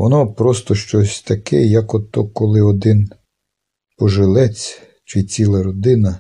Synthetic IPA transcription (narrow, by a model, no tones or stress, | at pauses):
ʋɔnɔpɾɔst̪ɔʃt͡ʃɔsʲt̪ɐkɛ̰jɐkɔt̪ːɔkːɔlˠɪɔd̪ɪn | pɔʒɪlˠɛt͡sʲ | t͡ʃɪt͡sʲilˠɐɾɔd̪ɪnɐ